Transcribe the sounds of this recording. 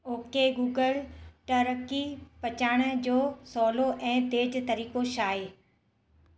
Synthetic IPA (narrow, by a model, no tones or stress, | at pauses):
oːkeɡuːɡəlʈəɾəkipɐt͡ɕaːɽ̃ə̆d͡ʑoːsɔːloʔɛ̃ːt̪eːd͡ʑt̪ɐɾiːkoʃaːeː